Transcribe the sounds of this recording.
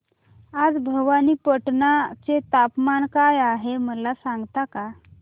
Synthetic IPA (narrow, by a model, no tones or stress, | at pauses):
ad͡zbʱəʋaniːpəʈnat͡set̪apmankajaɦeməlasaŋɡt̪aka